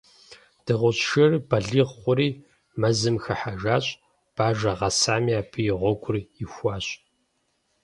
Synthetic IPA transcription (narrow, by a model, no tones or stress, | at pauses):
d̥ɨʁʷʊɕʃɐrbɐɮiːʁχʷʊɾiː | mɐzɨmxɐħaʒaːɕʼ | b̥aːʒɐʁɐsaːmiaːpʰɨjɪʁʷɔɡʷʊrɪxʷɑːɕʼ